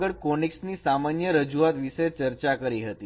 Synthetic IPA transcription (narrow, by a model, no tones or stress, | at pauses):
ɡəɭkoniksniːsamanjəɾəd͡ʒuʋat̪ʋiset͡ɕəɾt͡ɕakəɾiɦət̪i